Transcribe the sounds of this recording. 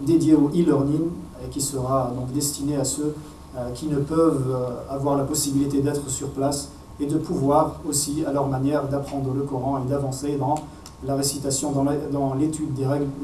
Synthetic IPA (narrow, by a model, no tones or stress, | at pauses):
d̪ed̪jeoilɛʁnin | kʲisəʁad̪ɔ̃kd̪ɛst̪ineasø | kʲinəpœvavwaʁlapɔsibilit̪ed̪ɛt̪χəsyʁplas | ed̪əpuvwaʁosialœʁmanjɛʁd̪apχɑ̃d̪ʁələkɔʁɑ̃ed̪avɑ̃sed̪ɑ̃ | laʁesit̪asjɔ̃d̪ɑ̃d̪ɑ̃let̪yd̪ːeʁɛɡl